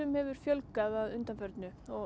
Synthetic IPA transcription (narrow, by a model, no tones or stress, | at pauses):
ʏmhɛvʏɾ̥fjœlkaðaðʏnt̪anfœɾt̪nʏɔ